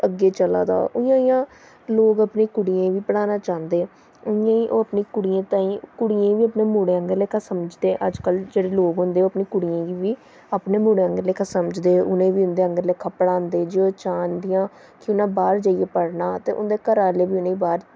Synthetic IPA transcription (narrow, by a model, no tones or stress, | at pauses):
əɡeːt͡ʃəla̰ːd̪a̰ːʔʊɪjãːɪjãː | loːɡəpneːkʊɽijãːʋiːpəɽaːnaːt͡ʃãːnd̪eː | ʊɪjãːiːʔoːəpneːkʊɽijãːt̪aːĩːkʊɽiãːʋiːəpneːmuːɽeːəŋɡəɾleːkʰaːsəməd͡ʒd̪eːʔəd͡ʒkəld͡ʒeːɽeːloːɡɦʊnd̪eːoːəpneːkʊɽijãːɡiːʋiː | apneːmuːɽeːəŋɡəɾleːkʰaːsəməd͡ʒd̪eːʊnẽːʋiːʊnd̪eːəŋɡəɾlekʰːaːpəɽaːnd̪eːd͡ʒeːoːt͡ʃaːnd̪ɪjãː | kɪʊnãːbaːɾd͡ʒaːijeːpəɽnaːt̪ḛːʔʊ̰nd̪ekəɾaːleːʋiːʊnãːĩːbaːɾ